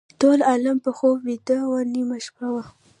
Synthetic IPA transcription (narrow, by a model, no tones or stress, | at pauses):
t̪olalampəxobwit̪awaɾnimaʃpawa